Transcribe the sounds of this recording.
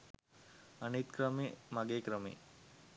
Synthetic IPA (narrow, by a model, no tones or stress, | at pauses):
anit̪kɾəmemaɡeːkɾəmḭ